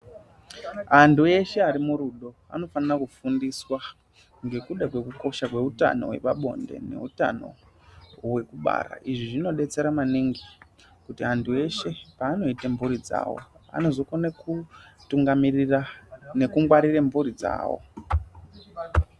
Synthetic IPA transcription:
andue̞ʃe̞aɾimuɾuɗo̞ | a̰no̞fanirakufundiswa | ŋɡe̞kuɗakwe̞kuko̞ʃakwe̞uta̰no̞̰we̞̰ʋaɓo̞̰nde̞̰nḛuta̰no̞̰ | we̞kuɓa̰ɾa̰ʔiʐiʐino̞ɗe̞t͡se̞ɾamaniŋɡi | kutiantue̞ʃe̞paːno̞itembuɾid͡za̰ːwo̞̰a̰no̞zokonakutuŋɡami | ne̞kuŋɡwaɾirembuɾid͡za̰ːwo̰

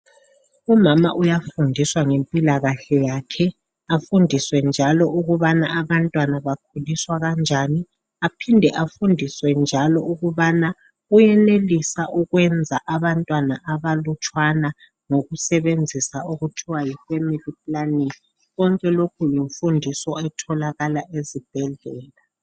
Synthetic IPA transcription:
umama̰ʔujafundʱiswaŋempʼilaɣaɬɛjaːkʰɛ | afundʱiswɛnd͡ʒʱalɔʔuɣuβanaaβantʼwanaβak̚ʰuliswaɣand͡ʒʱani | apʰindʱɛʔafundʱiswɛnd͡ʒʱalɔuɣuβana | ɣujɛnelisaʔuɣwɛnd͡zʱaʔaβantʼwanaʔaβalut͡ʃʼwana | ŋoɣusɛβend͡zʱisauɣutʰiwajifɛmilipʼlani | ɣɔŋkʼɛlokʰujiɱfundʱisɔɛtʰɔlaɣalaʔezib̥̚ʱɛɮɛːla

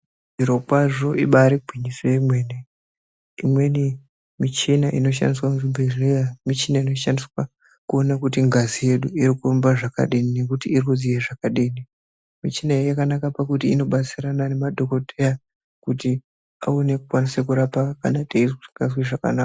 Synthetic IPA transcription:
ʐiɾo̞kwaʐo̞ʔiɓaɾiɡʱwiɲisojemwe̞ːne | imwe̞ni | mit͡ʃinaʔino̞ʃa̰ndiswamuzubʱerejamit͡ʃinaino̞ʃandiswa | kuonakutiŋɡazije̞ɗuiɾikurumbaʐaka̰ɗinine̞kutiːrikuzieʐakaɗini | mit͡ʃinaijakanakapakutiːno̞ɓat͡siranane̞madʱo̞ko̞tʰeja | kuti | a̰one̞kukwanisekuɾapakanatʰeizuiŋɡas̬wiʐaka̰naka

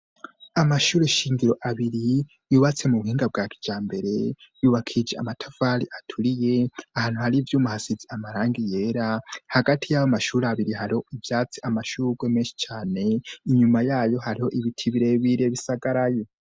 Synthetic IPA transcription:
amaʃuːɾeʃiːŋɡiɾo̞ʔaβiɾi | juːβat͡se̞muβuhiːŋɡab̚ɡaːkʰi̥d͡ʒaːmbe̞ɾe̞juːβakʰid͡ʒea̰matʰav̥aːɾiʔatʰuɾije̞ahaːn̥huhaɾivjuːmuhasid͡ziamaɾaːŋɡijeːɾahaɡatʰijawomaʃuːɾeaβiɾihaɾiho̞ivjaːt͡siamaʃuɾɡwemeːnʃi̥t͡ʃaːne̞iɲumajaːjo̞haɾiho̞ʔiβitʰiβiɾe̞βiɾeβisaɡaɾaje

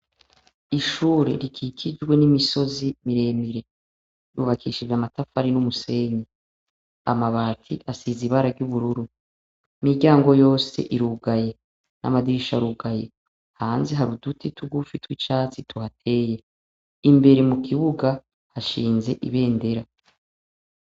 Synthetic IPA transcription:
iʃuːɾḛɾikʰikʰid͡ʒɡwe̞nimiso̞zimiɾe̞ːmiɾe̞ | ɾuβakʰiʃivamatafaɾinumuse̞ːɲi | a̰maβaːtʰiʔasiziβaɾaɡɟuβuɾuɾu | imiɟaːŋɡo̞jo̞ːse̞̰ʔiɾuɡaje̞ | na̰madiʃaɾuɡaje̞ | haːnzeɦaɾudutitʰuɡufitwit͡ʃaːt͡situhatʰe̞ːje̞ | imbe̞ɾe̞mukʰiβuɡa | haʃiːnze̞ʔiβe̞ːnde̞ɾa

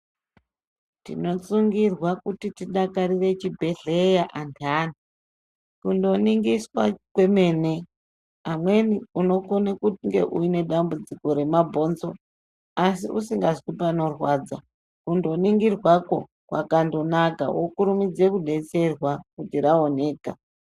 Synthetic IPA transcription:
tḭno̞t͡suŋɡirwakutitiɗakaɾire̞t͡ʃibʱe̞ɮejaʔantʰani | kundo̞niŋɡiswakwe̞me̞ːne̞ | amwe̞niuno̞konekuŋɡe̞̰ʔuine̞ɗambud͡ziko̞ɾe̞mabʱo̞nzo̞ | asiʔusiŋɡazipano̞rwad͡za | kundo̞niŋɡirwako̞ | kwa̰kandonaka̰wokuɾumid͡ze̞kuɗe̞t͡se̞rwakutiɾao̞ne̞ːka

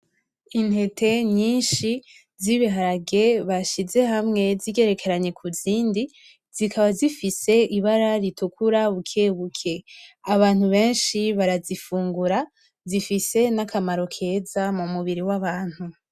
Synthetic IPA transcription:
in̥he̞tʰe̞ɲiːnʃi | ziβiɦaɾaɡe̞βaʃize̞ɦamŋe̞ziɡe̞ɾe̞kʰe̞ɾaɲe̞kʰuziːndi | zikʰaβazifise̞iβaɾaɾitukuɾaβukʰeβukʰe̞aβaːn̥huβe̞ːnʃiβaɾazifuːŋɡuɾa | zifise̞nakamaɾo̞kʰe̞zamumuβiɾiwaβaːn̥hu

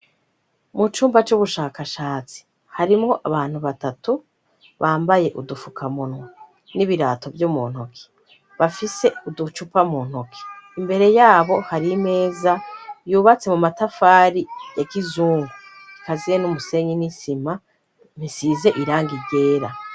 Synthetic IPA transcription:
mut͡ʃuːmbat͡ʃuβuʃaːkaʃaːt͡si̥ | haɾimŋo̞ʔa̰βaːn̥huβatatu | βaːmbaje̞ʔudufukʰamunŋwa | niβiɾaːto̞vjumṵːn̥okʰi̥ | βafise̞udut͡ʃupamuːn̥hokʰi̥imbe̞ɾe̞jaːβo̞haɾime̞ːzajuːβat͡se̞mumatafaːɾijakizuːŋɡu | ikazienumuse̞ɲinisima | m̥isize̞ʔiɾaːŋɡiɟe̞ːɾa

